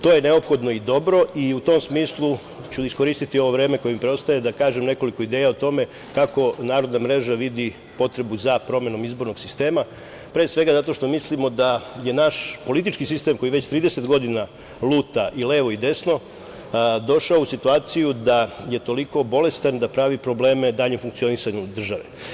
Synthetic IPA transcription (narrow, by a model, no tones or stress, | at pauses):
t̪o̞ːje̞ne̞o̞pxo̞d̪no̞id̪o̞bɾo̞iut̪o̞msmiːslˠu | t͡ɕuisko̞ɾiːst̪it̪io̞ʋo̞ʋɾe̞ːmeko̞jemipɾeo̞st̪ajed̪akaːʒemne̞ko̞liko̞id̪eːjaot̪o̞me̞ | kako̞naːɾod̪namɾe̞ʒaʋid̪i | po̞t̪ɾe̞buzapɾo̞me̞no̞mizbo̞ɾno̞ɡ̥sist̪e̞ːma | pɾeːsʋe̞ɡazat̪o̞ʃt̪o̞mislimo̞d̪aje̞naʃpo̞lit̪̬it͡ʃkisist̪e̞mko̞jiʋe̞t͡ɕt̪ɾiːd̪e̞se̞t̪ɡo̞d̪ina | lˠuːt̪aʔile̞ːʋo̞id̪e̞sno̞ | d̪o̞ʃaousit̪uaːt̪sijud̪aje̞t̪o̞liko̞bo̞le̞st̪and̪apɾaʋipɾo̞ble̞ːme̞d̪aːʎemfuŋkt̪sio̞nisaɲud̪r̩ʒaʋḛ